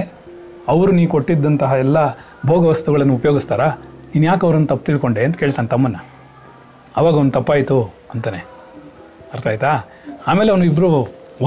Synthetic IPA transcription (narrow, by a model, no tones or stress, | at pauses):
ɐʋɾuniːʋukoʈːid̪ːɐnt̪ɐɦɐɛlːɐ | bʱoːɡɐʋɐst̪uɡɐɭɐnːuupɐjoːɡist̪aːɾɐinːjaːkɐʋɾɐnːut̪ɐpːt̪iːɭko̞ɳɖe̞ːɐnt̪ɐkeːɭt̪aːnet̪ɐmːɐnːɐ | ɐʋaːɡɐond̪ut̪ɐpːaːjt̪u | ɐnt̪aːne | ɐɾt̪aːjt̪aː | aːmeːleɐʋnuibːɐɾu